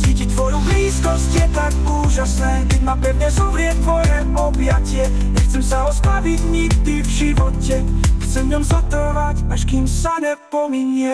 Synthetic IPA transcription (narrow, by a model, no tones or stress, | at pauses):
t͡siːcict̪ʋɔjubliːskɔscjɛt̪ak | uːʒasnɛːkɛɟmapɛvɲɛzɔvɾɪɛt̚t̪ʋɔjɛ | ɔbjacɪɛ | ɲɛxt͡sɛmsaɔspɾaviɟɲiɡd̪ivʒiʋɔcɛ | xt͡sɛmvɲɔmzɔt̪ɔʋacaʃkimsaɲɛpɔmiɲɪɛ